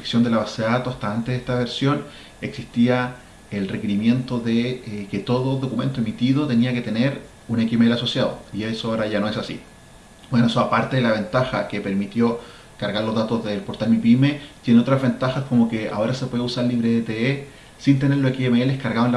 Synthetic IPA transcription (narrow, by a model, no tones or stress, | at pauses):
e̥sjo̞nd̪elaβaseðeðat̪oast̪aant̪eðet̪aβe̞ɾsjo̞n | eksist̪ia | elre̞ke̞ɾimje̞nt̪oðeket̪o̞ðoðo̞kume̞nt̪oemit̪iðo̞t̪e̞niaket̪e̞neɾ | unekimeelaso̞sjaðo̰iesoaoɾaʝano̞esasḭ | bwenoesoapaɾt̪eðelaβe̞nt̪axa̰kepe̞ɾmit̪jo̞ | kaɾɣaɾlo̞zðat̪ozðelpo̞ɾt̪aɾmipime̞t̪jeneo̞t̪ɾazβe̞nt̪axasko̞mokea̰o̞ɾasepwe̞ðeusaɾliβɾeet̪ee | sint̪eneloekiemeeleskaɾɣaðoel